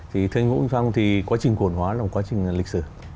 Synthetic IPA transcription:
t̪ʰi˨˩t̪ʰɨ˧ŋŋṵ˧˥ŋsa˧ŋ͡mt̪ʰi˨˩kwaː˨˦t͡ɕï˨˩ŋ̟ku˧˩ənhwaː˨˦laː˨˩m̚˨˩kwaː˨˦t͡ɕï˨˩ŋ̟li˨k̟̚sɨ˧˩

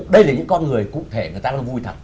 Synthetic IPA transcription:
ɗə˧jlaː˨˩ɲɨ̰˧˥ŋkɔ˧nŋɨ˨˩əjkṵ˧˨t̪ʰe˧˩ŋɨ˨˩jt̪aː˧ɔ̰˧ŋvu˧jt̪ʰə˨˩t̚

